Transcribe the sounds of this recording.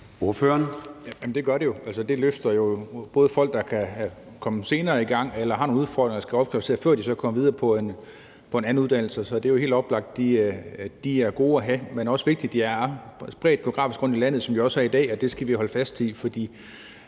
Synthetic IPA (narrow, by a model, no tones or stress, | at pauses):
oɐføːɐnjæmn̩d̥e̝ɡ̥ɶɐɾejo̝æl̰səd̥e̝løfd̥ɐjo̝b̥ɔ̽ːð̞̩ˠfɒ̽l̰ɡ̥̚d̥ɑ̈kʰæ | kʰɒ̽məse̝ːnɐːiɡ̥ɑ̈ŋ̰elɐhɑ̈no̝ːnuðˠfɒ̰ɔ̰d̥ʁeŋɐ̥ɑsɡ̥æɒ̽b̥̚kʰlɒsʰe̝ɐfɶɐ̰d̥isɒ̽kʰɒ̽mʋið̞ˠɐːpʰɒ̽en | pʰɒ̽e̝næn̩uðˠd̥æn̰l̩səsɒ̽d̥e̝æjo̝hḛːld̥ɒ̽b̥lɑ̈ɡ̥̚d̥̚d̥id̥iæɐɡ̥o̝ːæɦæmenɒ̽sʋe̝ɡ̥̚d̥id̥iæɐsb̥ʁɛ̰ːd̥̚ɡ̥e̝oɡ̥ʁɑ̰̈ːfisɡ̥ʁɔ̽n̰d̥ilæn̰ð̞̩ˠsɒ̽md̥oɒ̽sæɐid̥ɛ̰ːɒ̽d̥e̝sɡ̥æʋiɦɒ̽ləfæsd̥ifɒ̽d̥ḭː